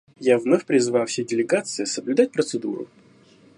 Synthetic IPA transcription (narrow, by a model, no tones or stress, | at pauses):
javnofʲpɾʲɪzɨvajʊfsʲedʲɪlʲɪɡat̪sɨɪsəblʲʊd̪at̚ʲpɾət̪sɨd̪uɾʊ̰